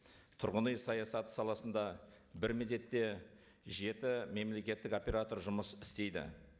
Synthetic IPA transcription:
t̪ʰʊɾʁənəjsɑjɑsɑt̪ə̥sɑlˠɑsənd̪ɑbɪɾmeze̞t̪ːe̞ | ʒe̞t̪ɪme̞mle̞kʲe̞t̪ːɪko̞pʲe̞ɾat̪o̞ɾʒʊməsɪst̪e̞jd̪ɪ̰

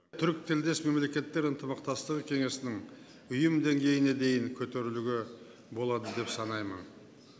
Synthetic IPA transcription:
t̪ʰʏɾk̚t̪ʰɪld̪e̞sme̞mle̞kʲe̞t̪ːe̞ɾənt̪əmɑq̚t̪ɑst̪əqkʲʰeŋe̞sɪnɪŋ | ʏjəmd̪e̞ŋɡʲe̞jɪne̞d̪e̞jɪŋkʲʰɵt̪e̞ɾɪluɡʲe | bo̞lˠɑd̪əd̪e̞psɑnɑjmən

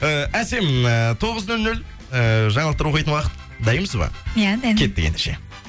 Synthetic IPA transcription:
əæse̞mət̪ʰo̞ʁəznɵlnɵl | əʒɑɴɑlˠəqt̪ɑɾwoɑjt̪ənwɑqə̥t̪ | d̪ɑjəməsəzbɑ̰jad̪ɑjkʲʰe̞t̪ːɪkʲḛnd̪eʃe̞̰

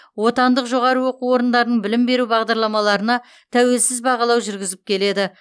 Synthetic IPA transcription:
wo̞t̪ɑnd̪əqʒo̞ʁɑɾəwo̞quo̞ɾənd̪ɑɾənəɴbɪlɪmbe̞ɾubɑʁd̪ɑɾlˠɑmɑlˠɑɾənɑ | t̪ʰæwe̞lsɪzbɑʁɑlˠɑwʒʏɾɡʲɪzɪp̚kʲʰe̞le̞d̪ɪ

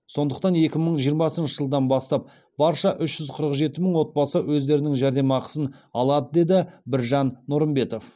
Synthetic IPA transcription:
so̞nd̪əq̚t̪ɑnje̞kʲɪməɴʒijəɾmɑsənʃəʒəlˠd̪ɑnbɑst̪ɑp̚ | b̥ɑɾʃɑʔʏʃʒ̥ʏzqʰəɾəqʒe̞t̪ɪməɴwo̞t̪̚bɑsəwʔɵzd̪e̞ɾɪnɪŋʒæɾd̪e̞mɑqə̥sənɑlˠɑd̪əd̪e̞d̪ɪbɪɾʒɑnnʊɾəmbe̞t̪o̞f

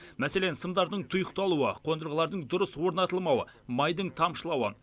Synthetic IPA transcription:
mæse̞lensəmd̪ɑɾd̪əɴt̪ʰʊjəqt̪ɑlˠuə̰qʰo̞nd̪əɾʁəlˠɑɾd̪əɴd̪ʊɾəswo̞ɾnɑt̪əlˠmɑwəmɑjd̪əɴt̪ʰɑmʃəlˠɑwə

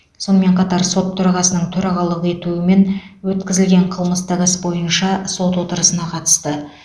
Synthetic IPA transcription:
so̞nəme̞ɴqʰɑt̪ɑɾso̞t̪ʰːɵɾɑʁɑsənəɴt̪ʰɵɾɑʁɑlˠəʁe̞t̪uɪme̞nwɵt̪kʲɪzɪlɡʲe̞ɴqʰəlˠməst̪əʁəsbo̞jənʃɑso̞t̪wo̞t̪əɾəsənɑqʰɑt̪ə̥st̪ə

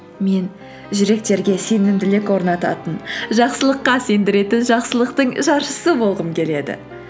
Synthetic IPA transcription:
me̞n | ʒʏɾe̞k̚t̪e̞ɾɡʲe̞se̞nɪmd̪ɪlɪkwo̞ɾnɑt̪ɑ̰t̪ənʒɑqsəlˠəqːɑse̞nd̪ɪɾe̞t̪ɪnʒɑqsəlˠəqt̪əɴʒɑɾʃəsəbo̞lˠʁəmkʲʰe̞le̞d̪ɪ̰

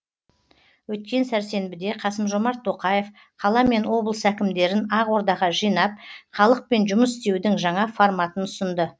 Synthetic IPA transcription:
wɵt̪̚kʲe̞nsæɾse̞nbɪd̪e̞qʰɑsəmʒo̞mɑɾt̪ʰːo̞qɑje̞f | qʰɑlˠɑme̞nwo̞blˠəsækʲɪmd̪e̞ɾɪnɑʁwo̞ɾd̪ɑʁɑʒijnɑp̚χɑlˠəq̚pe̞nʒʊməsɪst̪e̞wd̪ɪŋʒɑɴɑfo̞ɾmɑt̪ənʊsənd̪ə

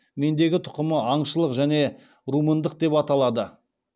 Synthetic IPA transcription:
me̞nd̪e̞ɡʲɪt̪ʰʊ̥qəməɑɴʃəlˠəqʒæne̞ | ɾumənd̪əq̚d̪e̞pɑt̪ɑlˠɑd̪ə

